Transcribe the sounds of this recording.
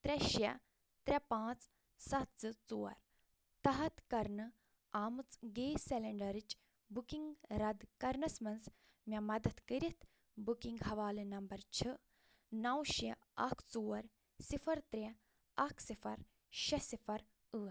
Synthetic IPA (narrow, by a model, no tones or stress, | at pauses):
t̪ɾʲɐʃɐ | t̪ɾʲɐpãːt͡s | sɐt̪̚t͡sɨt͡suːɐ̰ɾ | t̪ɐɦɐt̪kɐɾnɨ | aːmɨt͡sɡeːseleɳɖɐɾit͡ʃ | bukiŋɡɾɐd̪kɐɾnɐsmɐns | mʲɐmɐd̪ɐt̪kəɾʲit̪ʰ | bukiŋɡɦɐʋaːlinɐmbɐɾt͡ʃʰɨ | nɐwʃɐ | ɐkʰt͡suːɐɾ | sifʰɐɾt̪ɾʲe | ɐkʰsifʰɐɾ | ʃɐsifɐɾ | ɨːɾ